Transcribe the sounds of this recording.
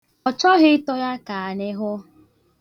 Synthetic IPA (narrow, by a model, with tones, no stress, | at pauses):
ɔ˨t͡ʃɔ˦ɦɪ˦tɔ˦ja˦ka˨a˨ɲɪ˦ɦʊ˦